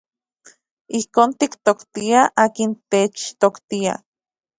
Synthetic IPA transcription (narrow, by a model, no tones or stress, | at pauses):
ihkoːnt̪ikt̪okt̪iaʔaːkint̪et͡ʃt̪okt̪ia̰